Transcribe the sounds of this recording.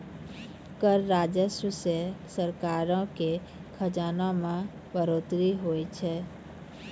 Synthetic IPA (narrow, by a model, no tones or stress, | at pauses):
kəɾːaːd͡ʒəswəsesəɾkaːɾõke | kʰəd͡ʒaːnõmã | bəɾoːt̪ɾiɦoːit͡ʃʰɛː